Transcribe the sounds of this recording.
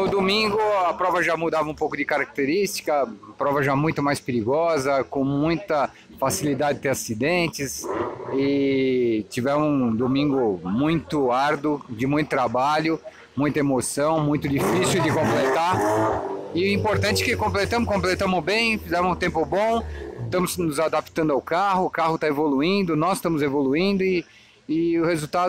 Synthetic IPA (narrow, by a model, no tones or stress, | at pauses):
nʊd̪omĩŋɡʊɐpɾɔvɐʒamud̪avɐũpowkʊd͡ʒɪkaɾak̚t̪eɾist͡ʃi̥kɐɐpɾɔvɐʒamũj̃t̪ʊmajspeɾiɡɔzɐkõmũj̃t̪ɐ | fasilid̪ad͡ʒɪɪt̪eɾasid̪ẽnt͡ʃɪsɪ | t͡ʃivɛɾmʊũd̪omĩŋɡʊmũj̃t̪ʊaɾd̪ʊd͡ʒɪmũj̃t̪ʊt̪ɾabaʎʊ | mũj̃t̪ɐemosɐ̃w̃mũj̃t̪ʊd͡ʒifisɪwd͡ʒɪkõplet̪aɾ | ɪĩpoɾt̪ɐ̃nt͡ʃɪ̥kɪkõmplet̪ɐ̃mʊkõmplet̪ɐ̃mʊzbẽj̃fizɛmʊzũt̪ẽmpʊbõst̪ɐ̃mʊsnʊzad̪api̥t̪ɐ̃ndʊawkaɦʊːkahʊt̪aevoluĩnd̪ʊnɔsst̪ɐ̃mʊzevoluĩnd̪ʊɪː | ʊhezut̪a